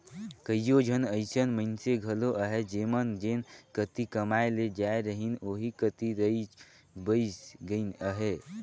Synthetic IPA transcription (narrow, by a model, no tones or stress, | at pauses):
kəijod͡ʒʱənəɪsənmənseɡʱəloʔəɦed͡ʒemənd͡ʒenkət̪ikəmaeled͡ʒaeɾəɦinoɦikət̪iɾəi | bəɪsɡəinəɦe